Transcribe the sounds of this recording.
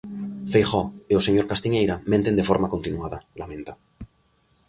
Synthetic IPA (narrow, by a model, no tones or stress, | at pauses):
fejxɔeoseɲoɾkast̪iɲejɾamẽnt̪e̞nd̪efoɾmakont̪inuaðalamẽnt̪a